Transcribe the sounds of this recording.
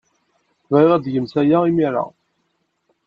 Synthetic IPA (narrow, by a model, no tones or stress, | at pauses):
viʁæd̪ʝəmsæjaimiɾˤɑ̰